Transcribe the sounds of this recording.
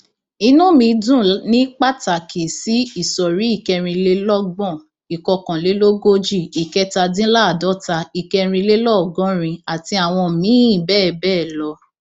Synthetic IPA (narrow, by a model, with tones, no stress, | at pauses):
i˧nũ˦mĩ˧˦dũ˦˨nĩ˦k͡pa˦˨ta˨kʰe˨si˨˦i˦˨sɔ˨ɾi˨˦i˦˨kɛ˧ɾ̃ĩ˧le˦lɔ˦ɡ͡bɔ̃˦˨ | i˨kɔ˧kã˨le˨˦lo˦ɡo˦d͡ʒi˦˨i˨kɛ˧ta˧dĩ˦la˦˨dɔ˨˦ta˧i˨kɛ˧ɾ̃ĩ˧le˦lɔ˦˨ɡɔ̃˨˦ɾ̃ĩ˧a˨ti˧˦a˨w̃ɔ̃˧˨mĩ˨˦ĩ˦˨bɛː˦˨bɛː˦˨lɔ˧˦